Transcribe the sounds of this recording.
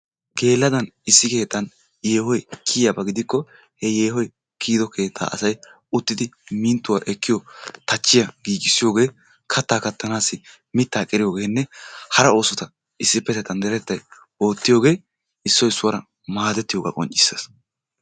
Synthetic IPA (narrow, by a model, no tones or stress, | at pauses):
ɡ̥e̞ːlːɐd̪ɐnɪsːɪke̞ːt̪ːɐn | jeːhɔjkʰːiːjjɐbɐɡɪd̪ɪkːɔ | hɛje̞ːɦɔj | kʰiːd̪ɔkʰe̞ːt̪ʰːa̰ːʔɐsɐj | ʊt̪ːɪd̪ɪmiːnt̪ːʊwaːʔɛkːɪjɔt̪ɐt͡ʃːɪjɐɡ̥iːɡɪsːɪjo̞ːɡe̞ː | kʰɐt̪ːaːkɐt̪ʰːɐnaːsːɪ | mɪt̪ːaːkʼɪɾɪjo̞ːɡe̞ːnːɛhɐɾɐo̞ːsɔt̪ɐ | ɪsːɪpːɛt̪ːɛt̪ɐnd̪ɛɾɛt̪ːɐj | o̞ːt̪ːɪjo̞ːɡe̞ː | ɪsːɔɪsːʊwɐɾɐ | maːd̪ɛt̪ːɪjo̞ːɡa̰ːkʼɔ̰nt͡ʃʼːɪ̥sːɐs